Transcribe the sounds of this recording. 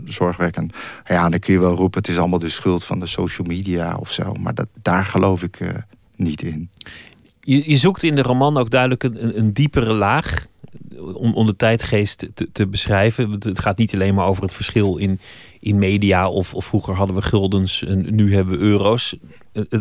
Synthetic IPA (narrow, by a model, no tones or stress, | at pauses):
zɔɹχʋɛkənjadɑkʰɵnjəʋɛlˠrupəətɪsɑlˠəmalˠdəsχɵlˠtfɑ̰ndəsowʃəlˠmiːdia̰ɔ̰fso̰wma̰ɹd̥aːɹχəlowfɪkʰ | nitʰɪn | jəjəzuktɪndəromɑnowɡ̚dœɥdələkəəəndipərəlaːχ | ɔmʔɔmdətɛjtχejstətəbəsrɛjvəətχaːtnitɑlejnmaːɹowvərɦətfəɹsχɪlˠɪn | ʔɪnmejdiaɔfɔfruχəɹɦɑdənʋəχɪlˠdənsənyɦɛbəʋəʔøːrows